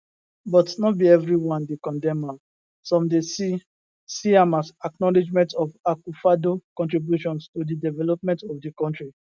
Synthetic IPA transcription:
bɔtnɔbiɛvɹiwɔ̃ndekɔ̃ndɛ̃ma | sɔ̃mdesi | siãmazaknɔlid͡ʒmɛ̃ntɔfakufadokɔ̃ntɹibjuʃɔ̃nstodidɛvɛlɔp̚mɛ̃ntɔfdikɔ̃ntɹi

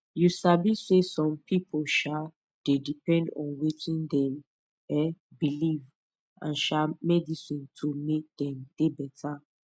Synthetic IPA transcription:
jusabisesɔ̃mpʰipʰolʃa | d̥edipɛ̃ndɔ̰̃nwetʰĩndɛ̃m | ɛbiliv | ã̰nʃamɛdisĩntʰomek̚d̪ɛ̃md̥ebɛtʰa

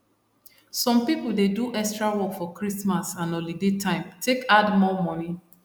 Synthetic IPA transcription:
sɔ̃mpipuldeduʔɛkstɹawɔkfɔkɹismasãnõlidetʰãɪ̃mtʰekadmɔmɔ̃ni

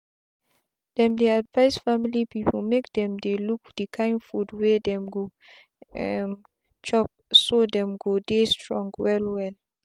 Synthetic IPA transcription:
d̥ɛ̃mdɛadvaɪsfamilipipʰlmekdɛ̃mdelukd̥ikʰãɪ̃nfudwedɛ̃mɡo | ɛm | t͡ʃɔp̚sodɛ̃mɡodestʰɹɔ̃ŋɡwɛlwɛl

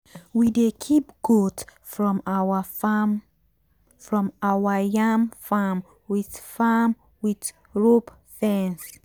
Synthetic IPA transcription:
widekʰipɡ̥otfɹɔ̃mawa | fɹɔ̃mawajãmfam | wiθfam | wid | ɹop | fɛ̃ns

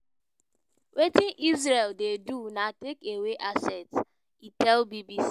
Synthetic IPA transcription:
wʔetĩnʔizɹeldedunatekeweʔasɛt | itɛlbibis

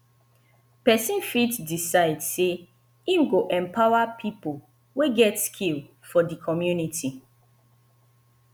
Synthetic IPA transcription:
pɛsĩnfitsdisaɪdse | ĩmɡoʔɛ̃mpʰaʊapʰipol | weɡɛtskʰil | fɔdikʰɔmjunitʰi

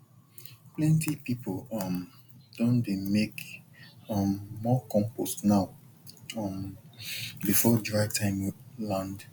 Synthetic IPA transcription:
plɛ̃ntipipʰolʌm | d̥õndemek | ʌmːɔkɔ̃mpostnaʊ | ʌm | bifɔdɹaɪtʰãɪ̃mlãnd

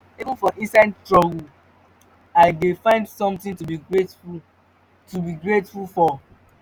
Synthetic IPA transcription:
ivə̃nfɔʔĩnsanstɹɔɡəl | aɪdefãɪ̃ndsɔ̃mtɪ̃ntubiɹetfu | tubiɡɹetfulfɔ

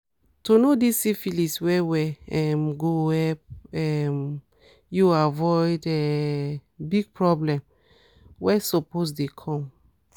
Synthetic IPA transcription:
tunodisːifiliswɛwɛɛmɡoɛp̚ɛm | juavɔɪdɛ | biɡ̚pɹɔblɛ̃m | wɛsɔposdekʰɔ̃m

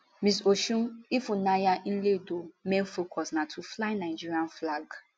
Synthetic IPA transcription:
misoʃũmifunajaʔĩledomɛ̃nfokʰɔsnatʰuflaɪnaɪd͡ʒiɹiãnflaɡ

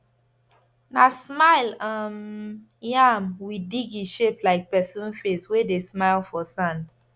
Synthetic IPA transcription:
nasmaɪlam | jamwidiɡiʃeplaɪk̚pɛsũnfeswedesmaɪlfɔsãnd

